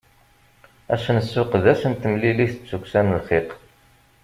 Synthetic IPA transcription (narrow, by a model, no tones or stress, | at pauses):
æ̰ʃnəsːʊqðæsənt̪ːəmliliθət͡sːukʷːsænəlχiq